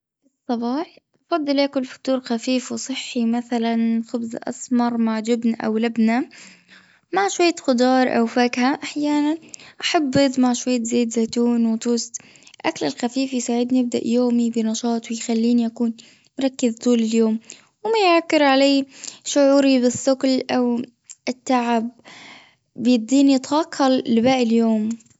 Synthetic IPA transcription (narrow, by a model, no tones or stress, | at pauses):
bɨsˤːɑbɑːħʔɑfɑd̪ˤːɨlʔaːkʊlfḁk̚t̪uːɾxafiːfwɪsˤɨħːimaθalanxʊbzʔɑ̰smɑɾˤmaʕd͡ʒɪbnaʔa̰wlabna | maʕʃwajːaxʊd̪ɑːɾˤʔa̰wfaːkhaʔaħjaːnanʔaħabːɪðˤmaʕʃwajːazeːt̪zaːt̪uːnwɪt̪ˤuːst̪ | ʔaklɪlxafiːfijsaːʕɪd̪niɪb̚d̪a̰ʔjoːmibɪnɑʃɑːt̪ˤwɪjxalːiːniʔakuːn | mʊɾˤɑkːɪzt̪ˤuːlɪljoːm | wɪmajʕakːɪɾʕaleːʃʊʕuːɾibɪsːʊqlʔaw | ʔɪt̪ːaʕɪb̚ː | jɪd̪ːiːnit̪wɑːqʰːɑlːɪbaːʔɪljoːm